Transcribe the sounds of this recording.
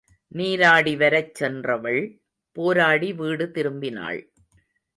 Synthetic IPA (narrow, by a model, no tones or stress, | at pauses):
niːɾaːɽiʋɐɾɐt͡ʃːɛndrɐʋɐɭ | poːɾaːɽiʋiːɽɯt̪ɪɾɯmbɪna̰ːɭ